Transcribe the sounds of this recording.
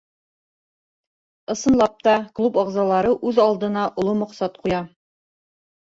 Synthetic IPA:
ɤ̆sɤ̆nlˠɑp̚t̪ɑklˠupɑʁzɑlˠɑɾɤʔʉðɑlˠd̪ɤ̆nɑʔŏlˠomŏqsɑt̪qujɑ

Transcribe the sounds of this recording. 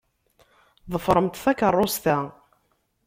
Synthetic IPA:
ðˤəfɾˤəmt̪θækərˤːost̪æ

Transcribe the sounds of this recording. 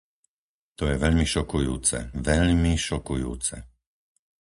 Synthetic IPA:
t̪ɔjɛʋɛʎmiʃɔkujuːt͡sɛ̰ʋɛʎmiʃɔkujṵːt͡sɛ̰

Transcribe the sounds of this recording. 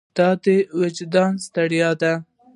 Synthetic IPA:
t̪ɑd̪ewad͡ʒd̪ɑnst̪aɽjɑd̪a

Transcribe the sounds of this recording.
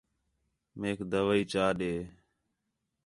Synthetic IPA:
meːkd̪əʋəiːt͡ʃaːɗeː

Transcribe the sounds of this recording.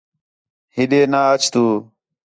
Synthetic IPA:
hɪɗeːnaːət͡ʃʰt̪uː

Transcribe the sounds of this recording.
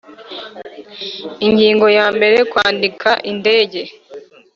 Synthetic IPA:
iŋɟiːŋɡo̞jaːmbe̞ɾe̞kwaːndikʰaʔinde̞ːɟe̞

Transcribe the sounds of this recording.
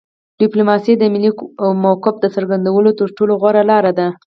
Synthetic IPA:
ɖ̥ɪplomɑsid̪əmiliwmawkʊf̚d̪əsəɾɡand̪awəlot̪əɾʈoloɣwaɾalɑɾad̪a

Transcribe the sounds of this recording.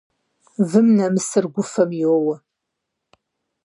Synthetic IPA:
vɨmnɐmɨsɨrɡʷʊfɐmjiwowɐ

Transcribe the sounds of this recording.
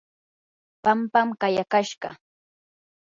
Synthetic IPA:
pampamɢajakaʃɢɑ̰

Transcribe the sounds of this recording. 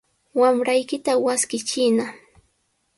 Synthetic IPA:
wamɾajkɪt̪awaskɪt͡ʃɪna

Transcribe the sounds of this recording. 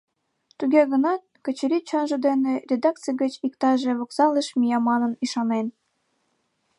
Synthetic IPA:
t̪uɣeɣənɑt̪̚kə̆t͡ɕəɾʲit͡ɕonʒə̆d̪enerʲed̪ɑk̚t͡sijɣət͡ɕikt̪ɑʒeβoksɑləʃmijɑmɑnəniʃɑnen

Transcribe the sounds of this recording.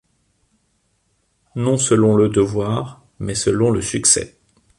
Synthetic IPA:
nɔ̃səlɔ̃ləd̪əvwaʁ | mɛsəlɔ̃ləsyksɛ̰

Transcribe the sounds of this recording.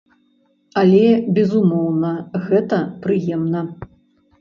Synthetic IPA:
ɐlʲɛbʲɛzumɔwnɐɣɛt̪ɐpɾɨjɛmnɐ

